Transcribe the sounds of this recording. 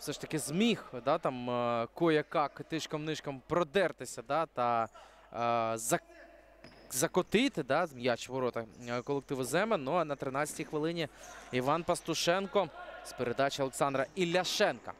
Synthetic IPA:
fsɛʃt̪ɐkɪzmʲixd̪ɑt̪ɑmkɔjɐkɑkt̪ɪʃkɐmnɪʃkɐmpɾɔd̪ɛrt̪ɪsʲɐd̪ɑt̪ɐ | zɐ | zɐkɔt̪ɪt̪ɪd̪ɑmjat͡ʃʋɔɾɔt̪ɐkɔlˠek̚t̪ɪʋɔzɛmenuɐnɐt̪ɾɪnɑt͡sʲɐ̥tʲijxʋɪlˠɪnʲiiʋɑnpɐst̪ʊʃɛnkɔspeɾed̪ɑt͡ʃɪɔlˠeksɑnd̪ɾɐilʲɐʃɛnkɐ̰

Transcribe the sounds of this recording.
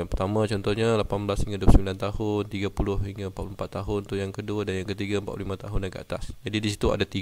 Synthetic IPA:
pət̪amãt͡ʃɔnt̪ɔɲalapanblashiŋɡaduəsəmbilant̪ahʊnt̪iɡapulʊhiŋɡampat̪̚pulumpat̪ːaɦʊnt̪ujaŋkəduədanjaŋkət̪iɡaəmpat̪̚plulimãt̪aɦʊndankəa̰t̪asd͡ʒadidisit̪ua̰dat̪iɡ

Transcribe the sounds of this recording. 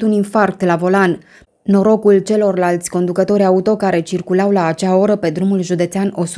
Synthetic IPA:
t̪uninfark̚t̪lavo̞lanː | o̞ɾo̞kult͡ʃe̞lo̞rlalt̪sʲko̞nd̪ukət̪o̞ɾʲaut̪o̞kaɾe̞t͡ʃirkulawlaːt͡ʃao̞ɾəpe̞d̪ɾumulʒud̪e̞t̪seano̞s

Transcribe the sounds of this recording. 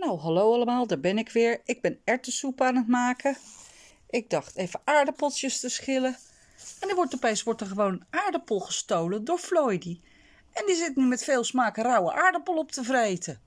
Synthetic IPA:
nowɦɑlowɑləmaːlˠdaːɹbɛnɪkʋɪːɹɪɡ̚bɛnɛɹtəsupəaːnətmaːkə | ʔɪɡ̚dɑχtejvəʔaːɹdəpɔltjəstəsχɪlə | ɛndəɹʋɔɹtɔpejsʋɔɹtəɹχəʋownaːɹdəpolˠχəstowləndʊːɹflɔjdi | ʔɛndizɪtnymɛtfeːlˠsmaːkərɑwəʔaːɹdəpolˠɔptəvrejtʰə

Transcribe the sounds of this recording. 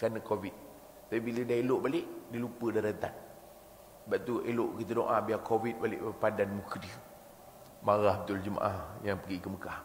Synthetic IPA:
kanəkovit̪̚ | t̪apibilədaeloʔbaleʔdilupədaɾət̪a̰t̪̚ | baʔt̪ueloʔkit̪ədoʔabiakovit̪̚balḛʔbəpadanmukdi | maɣahbət̪uld͡ʒəma̰ʔahjaŋpəɡikəməkah

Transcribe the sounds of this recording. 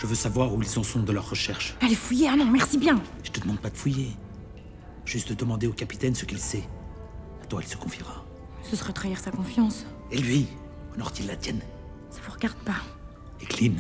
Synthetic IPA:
ʒ̥əvøsavwaʁuilsɔ̃sɔ̃d̪əlœʁːəʃɛʁʃalefujeanɔ̃mɛʁsibjɛ̃ʒə̥t̪əd̪əmɑ̃d̪̚pad̪əfuje | ʒ̥yst̪̚d̪əd̪əmɑ̃d̪eokapi̥t̪ɛnsəkilsɛ | at̪wailsə̥kɔ̃fjiʁa | səsəʁɛt̪χaiʁsakɔ̃fjɑ̃s | elɥi | ɔnɔʁt̪ilːat̪jɛn | savuʁəɡaʁd̪pa | eklim

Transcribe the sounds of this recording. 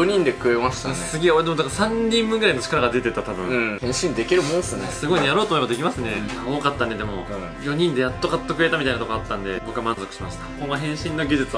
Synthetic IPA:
joɲ̟ĩnd̪e̞kɯ̟e̞maɕi̥t̪asɨɡʲeoɾed̪e̞md̪akasãɲ̟ːĩmbɯ̟ŋɡɯɾaino̞t͡ɕi̥kaɾaɡad̪e̞t̪e̞t̪at̪abɯ̟̃hẽ̞ɕĩnd̪e̞kʲiɾɯ̟mõnsɨnesɨɡo̞iɲejaɾo̞ːt̪omoebad̪ekʲimasɨne̞ | okat̪ːaned̪e̞mo̞̰ | jo̞ɲ̟ĩnd̪e̞jat̪ːo̞kat̪ːo̞kɯe̞t̪amit̪ainat̪okoat̪ːãnd̪e̞bo̞kɯ̟amãnzo̞kɯ̟̥ɕimaɕi̥t̪ḁkõɡaɦẽ̞ɰ̃ɕĩnːo̞ɡʲid͡ʑit͡sɨa

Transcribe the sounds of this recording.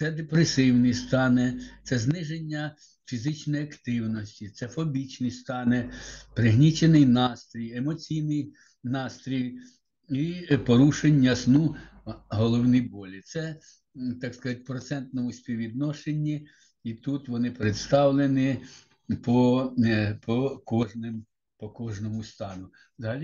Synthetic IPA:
t̪sɛd̪epɾesɪwnɪst̪ɑnɪt̪sɛznɪʒenʲːɐ | fʲizɪt͡ʃnɔjɐkt̪ɪwnɔsʲtʲit̪sɛfɔbʲit͡ʃnɪjst̪ɑnepɾɪɦnʲit͡ʃenɪjnɑst̪ɾʲijemɔt͡sʲijnɪj | nɑst̪ɾʲij | ipɔɾuʃenʲːɐsnuɦɔlˠɔwnɪbɔlʲit̪sɛ | t̪ɑkskɐzɑt̚ʲpɾɔt̪sɛnt̪nɔmʊsʲpʲiʋʲid̪nɔʃenʲːi | it̪ut̪ʋɔnɪpɾet̪st̪ɑwlˠenɪ | pɔ | pʰɔkɔʒnɪm | pɔkɔʒnɔmʊst̪ɑnʊ | ʋzɐɦɐlʲi

